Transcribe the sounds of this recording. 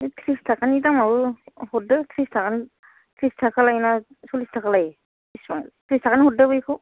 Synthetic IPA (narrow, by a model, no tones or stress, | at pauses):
etʰɾistʰakʰanitamawuhɔdɯtʰɾistʰakani | tʰɾistʰakʰalajna | sɔlistʰakʰalaj | isaŋtʰɾistʰakanihɔt̚dabɯjkʰɔ